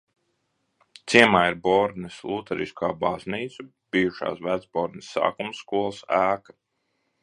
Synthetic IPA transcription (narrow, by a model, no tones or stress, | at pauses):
t̪siɛmaːiɾbɔɾd̪nɨslˠut̪ɛɾḭskaːbazniːt̪su | b̥iːuʃa̰ːsvæd̪zbɔɾd̪nɨsːa̰ːkumsːkuɔlˠsæːkḁ